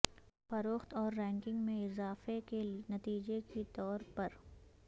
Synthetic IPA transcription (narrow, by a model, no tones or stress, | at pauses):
fɐɾoːxt̪ɔːɾːɛ̃ːŋkɪ̃ŋɡmẽɪzaːfekenɐt̪iːd͡ʒekit̪ɔːɾpɐɾ